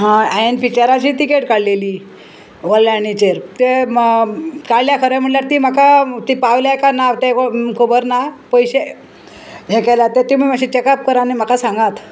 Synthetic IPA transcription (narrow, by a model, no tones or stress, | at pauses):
ɦãajenpit͡ɕaɾat͡ɕiːt̪ikeʈkaɽleliː | ʋəlːanit͡ɕeɾt̪e | kaɽljakʰəɾem̤əɽljaɾt̪iːm̤akat̪ipaʋljakanat̪ekokʰobəɾnapəjɕe | ɦekaljat̪et̪im̤imaɕit͡ɕekap̚kəɾanim̤akasãŋɡat̪